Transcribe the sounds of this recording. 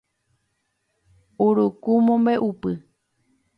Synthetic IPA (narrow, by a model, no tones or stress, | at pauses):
uɾukumõmbeʔupɨ